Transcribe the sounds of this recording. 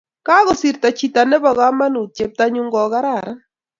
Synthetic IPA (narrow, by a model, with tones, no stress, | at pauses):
ka˦ɣɔ˨si˨ɾta˨t͡ʃi˦ta˨nɛ˦bɔ˨ɣa˦ma˦nu˨t̚t͡ʃe˨p̚ta˦ɲu˦ŋɡɔ˨ɣa˦ɾa˨ɾa˦